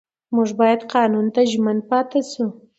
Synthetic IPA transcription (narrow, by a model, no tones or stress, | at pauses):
muʐbɑjad̪qɑnunt̪aʒman̚pɑt̪asu